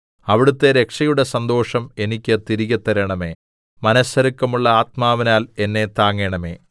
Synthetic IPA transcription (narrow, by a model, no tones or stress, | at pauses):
ɐʋiɽut̪ːe̞ɾe̞kʂɐjuɽe̞sɐnd̪o̞ːʂɐme̞nikʲːɨt̪iɾiɣɐt̪ːɐɾɐɳɐmeː | mɐnɐsɐɾɐkːɐmuɭːɐaːt̪̚maːʋɐnaːle̞nːe̞t̪aːŋːeɳɐme̞̰ː